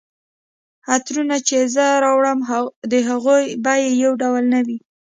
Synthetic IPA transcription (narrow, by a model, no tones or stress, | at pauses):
at̪ɾunat͡ʃezəɾɑwɽəmd̪əɦaɣojbajejawɖawlnawi